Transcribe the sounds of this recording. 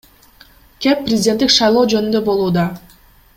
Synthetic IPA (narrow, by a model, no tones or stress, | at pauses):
kʲe̞pːrʲɪzʲɪdʲe̞nt̪ːikʃɑjlˠo̞ːd͡ʒø̞nynd̪ø̞bo̞lˠuːd̪ɑ